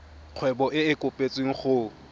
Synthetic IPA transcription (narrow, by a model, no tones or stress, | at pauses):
q͡χʰwɛbɔʔɪɪkʼʊpʼet͡sʼweŋ̩χʊ